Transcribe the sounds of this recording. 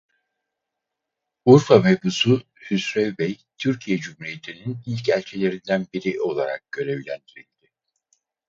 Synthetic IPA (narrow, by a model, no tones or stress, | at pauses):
uɾfavebusu | hysɾɛvbɛj | t̪ʰyɾcʰijed͡ʒymhuɾije̞t̪ʰininilʲcʰælʲt͡ʃʰe̞lʲe̞ɾind̪ænbiɾiʔo̞lˠaɾa̰k̚ɟ̥ø̞ɾe̞vlʲænd̪iɾilʲd̪̥ɪ